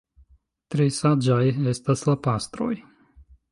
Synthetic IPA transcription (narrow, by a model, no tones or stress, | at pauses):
t̪ɾejsad͡ʒajest̪aslapast̪ɾoj